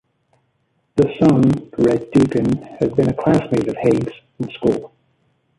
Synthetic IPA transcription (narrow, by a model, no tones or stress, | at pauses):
ðəsʌ̃nɹɛdʉˑkɨ̃nɨd̚bɨ̃nɨkʰl̥æsmeɪɾəv̥heɪɡz̥ | ə̃n̩skulˠ